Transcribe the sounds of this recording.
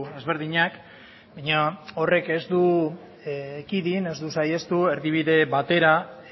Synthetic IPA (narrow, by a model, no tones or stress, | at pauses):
e̞zβe̞ɾðiɲak | bajɲao̞re̞ke̞zd̪u | kiðine̞zd̪usaje̞st̪ue̞ɾðiβ̞iðe̞βat̪e̞ɾa